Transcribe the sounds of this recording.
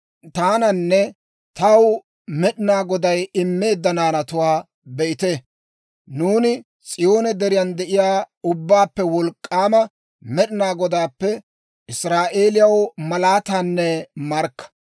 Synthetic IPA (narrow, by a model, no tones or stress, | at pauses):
t̪aːnɐnːɛ | t̪ɐw | mɛɗɪnaːɡɔd̪ɐjɪmːe̞ːd̪ːɐnaːnɐt̪ʊwaː | bɛʔɪt̪e | nuːnɪ | st͡sʼɪjo̞ːnɛd̪ɛɾɪjɐnd̪ɛʔɪjaː | ʊbːaːpːɛwɔlkʼːaːmɐ | mɛɗɪnaːɡɔd̪aːpːɛ | ʔɪsɾaːʔe̞ːlɪjɐwmɐlaːt̪aːnːɛmɐɾkːɐ̥